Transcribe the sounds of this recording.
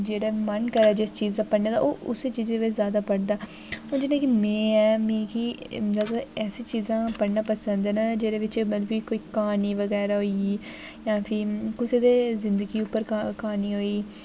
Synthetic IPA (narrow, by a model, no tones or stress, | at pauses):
d͡ʒeːɽɛːmənkəɾaːd͡ʒɪst͡ʃiːzaːpəɽnãːd̪a̰ːʔo̰ːʔʊ̰set͡ʃiːzeːʋɪt͡ʃzjaːd̪aːpəɽd̪aː | õːd͡ʒɪnẽːkimɛ̃ːɛːmẽːkid̪əɡ̪aɛːseːt͡ʃiːzãːpəɽnaːpəsənd̪ɛːnad͡ʒeːɽeːʋɪt͡ʃmət̪ləbiːkoːiːkaːniːʋəɡɛːɾaːɦoːi | jãːpʰɪɾkɪseːd̪eːzɪ̃nd̪əɡiːʊpːəɾakaːniːɦoːiː